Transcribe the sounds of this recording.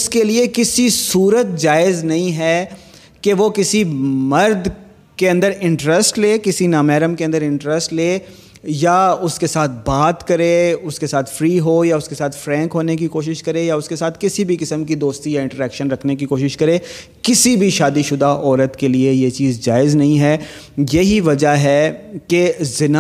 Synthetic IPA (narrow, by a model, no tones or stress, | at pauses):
skeliekɪsisuːɾət̪̚d͡ʒaːɪznɐɦĩɦɛ | keʋokɪsimɐɾd̪ | keɐ̃nd̪əɾɪ̃ɳʈɾɛsʈleːkɪsinaːmɛːɾəmkeɐ̃nd̪əɾɪ̃ɳʈɾɛsʈleː | jaʊskesaːt̪̚ʰbaːt̪kɐɾeʊskesaːt̪ʰfɾiːɦoːjaʊskesaːt̪ʰfɾɛ̃ːŋkɦoːnek̬ikoːʃ̬ɪʃkɐɾejaʊskesaːt̪ʰkɪsibʱikɪsəmkid̪oːst̪ijaɪ̃ɳʈəɾɛːkʃənɾɐkʰnek̬ikoːʃɪʃkɐɾeː | kɪsibʱiʃaːd̪iʃʊd̪aʔɔːɾət̪keliejet͡ʃiːzd͡ʒaːɪznɐɦĩɦɛː | jɐɦiʋɐd͡ʒaɦɛkezɪna